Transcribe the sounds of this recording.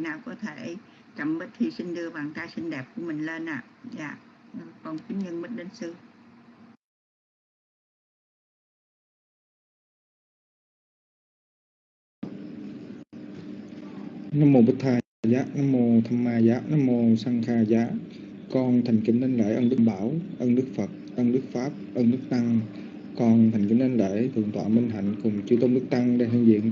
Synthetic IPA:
naː˨˩wkɔ˨˦t̪ʰe˧˩˦ | t͡ɕa˨˧˩mɓə˦˥t̚t̪ʰi˧˩si˧ŋ̟ɗɨ˧əɓaː˨˩ŋk̪aː˧si˧ŋɗɛ˨˩p̚ku˧˩əmï˨˩ŋ̟le˧nʔaː˨zaː˧˩˨kɔ˨˧˩nki˨˦ŋɲɨ˧ŋmɨ˦˥t̚ɗe˧˦nsɨ˧ | na˧mːo˧ɓə˦˥t̚t̪ʰaː˧zaː˦˥na˧mːo˧t̪ʰa˧mːaː˧zaː˨˦˥na˧mːo˧sa˧ŋxaː˧zaː˨˦˥ | kɔ˧nt̪ʰa˨˩jŋ̟kḭ˧˦ne˧nlḛ˧˥ʔə˧nɗɨ˦˥əmɓaː˧˦wʔə˧nɨ˦˥ək̚fə˨˩t̚ʔə˧nɨ˦˥ək̚faː˦˥p̚ʔə˧nɨ˦˥ək̚t̪a˧ŋ | kɔ˧˩nt̪ʰa˨˩jŋ̟kḭ˧˨˦ne˧nlḛ˧˥t̪ʰɨ̰˨˧˩əŋt̪wa̰ː˧˨˦mi˧ŋ̟ɦ̪a̰˧˨jŋ̟kʊ˨˩ŋ͡mt͡ɕu˧˦t̪o˧wnɨ˦˥k̚t̪a˧ŋɗe˧ɦi˧˩ŋzḭ˧˨ən

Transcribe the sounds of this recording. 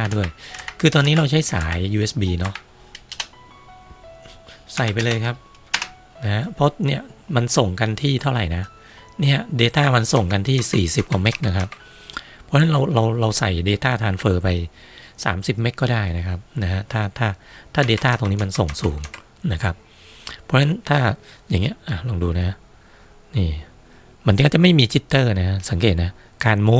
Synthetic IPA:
a˥˩du˥˩əjkʰɯː˧t̪ɔː˧nːiː˦˥ɾa˧wt͡ɕʰa˦˥jsa̰ː˩˦jːuː˧ʔe˦˥sbiː˧nɔ˦˥ʔ | sa˨˩jp̬a˧jlɤː˧jkʰa˦˥p̚ | na˦˥ha˦˥pʰːɔ˦˥ni˥˩ɐma˧nso˨˩ŋka˧nt̪ʰiː˥˩t̪ʰa˥˩wɾa˨˩jna˦˥ | ni˥˩ɐdeː˧t̪aː˥˩ma˧nso˨˩ŋka˧nt̪ʰiː˥˩siː˨˩si˨˩p̚kwa˨˩me˦˥k̚na˦˥kʰa˦˥p̚ | pʰːɔ˦˥na˦˥nɾa˧wɾa˧wɾa˧wsa˨˩jdeː˧t̪aː˥˩t̪ʰaː˧nfɤː˧pa˧j | sa̰ː˩˦msi˨˩p̚me˦˥k̚kːɔː˥˩daː˥˩jna˦˥kʰa˦˥p̚na˦˥kʰa˦˥t̪ʰaː˥˩t̪ʰaː˥˩t̪ʰaː˥˩deː˧t̪aː˥˩t̪oː˧ŋniː˦˥ma˧nso˨˩ŋsuː˩˦ŋ | na˦˥kʰa˦˥p̚ | pʰːɔː˧˥na˦nt̪ʰaː˥˩jaː˨˩ŋːi˦˥ɐʔaː˨˧˩lɔː˧ŋduː˧na˦˥ | niː˧˩ | ma˧˥˦nkɔː˥˩t͡ɕa˨˩ma˥˩jmiː˧t͡ɕʰi˦˥t̪ːɤː˥˩na˦˥kʰa˦˥sa˩˦ŋkeː˨˩t̪̚na˦˥ | kaː˧nmu˦˥

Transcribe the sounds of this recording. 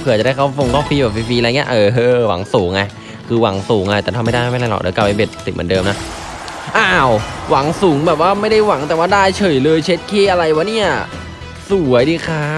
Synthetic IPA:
pʰɯ˧˩t͡ɕa˨˩da˥˩kʰa˥˩fo˧ŋkʰɔː˥˩fiː˧bɛː˨˩p̚iː˧fiː˧lŋi˦˥ɐʔɤː˧˩ɦɤː˧wa̰˨˩˦ŋsuː˩˦ŋːa˧˩j | kʰɯː˧wa˩˦ŋsuː˩˦ŋːa˧jt̪ɛː˨˩t̪ʰmːa˥˩jda˥˩ma˥˩jla˧jlɔ̰˨˩dɯ̰ː˩˦ka˧pːʔa˧be˨˩t̪̚si˨˩mɯ̰˩˦ndɤː˧mna˦˥ | ʔa˧wwa˩˦ŋsuː˩˦ŋbɛː˨˩p̚waː˥˩ma˥˩jda˥˩jwa˩˦ŋt̪ɛ˨˩waː˥˩daː˥˩jt͡ɕʰɤː˨˩jlɤː˧jt͡ɕʰe˦˥t̪̚kʰeː˧˩ʔa˧ɾa˧jwa˦˥ni˥˩ɐ | su˨˩˦ɐjdiː˧˩kʰa˦˥

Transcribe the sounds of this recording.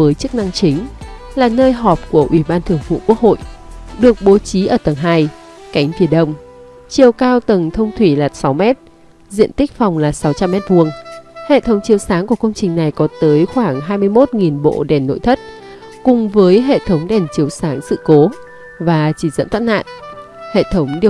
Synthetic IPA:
vəː˨˦jt͡ɕɨ˦˥k̚na˧ŋt͡ɕï˨˦ŋ̟laː˨˩nəː˧jɦɔ˨˩p̚ku˧˩əʔwʔi˧˩ɓaː˧nt̪ʰɨ˧˩əŋfṵ˧˨ku˦˥ək̚ho̰˧˨jɗɨ˨˩ək̚ɓo˨˦t͡ɕi˨˦ʔəː˧˩t̪ə˨˩ŋɦaː˧j | ka˨˦jŋ̟fi˧˩ənɗə˧wŋ͡m | t͡ɕi˨˩əwkaː˧wt̪ə˨˩ŋt̪ʰə˧wŋ͡mt̪ʰwi˧˩laː˨˩t̚sa˨˦wmɛ˦˥t̚ | zḭ˧ənt̪ï˦˥k̟̚fa˨˩wŋ͡mlaː˨˩sa˨˦wt͡ɕa˧mːɛ˦˥t̚vu˧˩əŋhḛ˧˨t̪ʰə˨˦wŋ͡mt͡ɕi˨˦əwsaː˨˦ŋku˧˩əkə˧wŋ͡mt͡ɕï˨˩ŋ̟na˨˩jkɔ˨˦t̪əː˨˦jxwaː˧˩ŋɦaː˧jmɨ˧əjmo˦˥t̚ŋi˨˩nɓo̰˧˨ɗɛ˨˩nːo̰˧˨jt̪ʰə˦˥t̚ | kʊ˨˩ŋ͡mvəː˨˦jɦḛ˧˨t̪ʰə˨˦wŋ͡mɗɛ˨˩nt͡ɕi˨˦əwsaː˨˦ŋsɨ̰˧˨ko˨˦ | vaː˨˩t͡ɕi˧˩zə̰˧˥nt̪ʰwaː˦˥t̚na̰ː˧˨n | hḛ˧˨t̪ʰə˨˦wŋ͡mɗi˧˨

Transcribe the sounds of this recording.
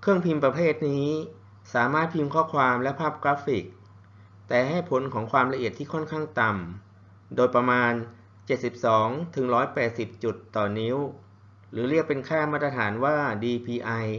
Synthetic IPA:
kʰɯ˥˩əŋpʰi˧mpɾa˧pʰeː˥˩t̪̚niː˦˥ | saː˩˦maː˥˩t̪̚pʰi˧mkʰɔː˥˩kʰwaː˧mlɛ˦˥pʰaː˥˩p̚kɾaː˦˥fi˨˩k̚ | t̪ɛː˨˩ha˥˩jpʰo˩˦nkʰɔː˩˦ŋkʰwaː˧mla˧ʔi˨˩ət̪ʰːiː˥˩kʰɔ˥˩nkʰaː˥˩ŋt̪a˧m | doː˧jpɾa˧maː˧n | t͡ɕe˨˩t̪̚si˨˩p̚sɔː˩˦ŋt̪ʰɯ˩˦ŋɾɔː˦˥jpɛː˨˩t̪̚si˨˩p̚t͡ɕu˨˩t̪ːɔː˨˩ni˦˥w | ɾɯː˩˦ɾi˥˩ək̚pe˧nkʰɛː˥˩maː˥˩t̪̚ːɾa˧t̪ʰaː˩˦nwaː˥˩diː˧pʰiː˧ʔa˧j

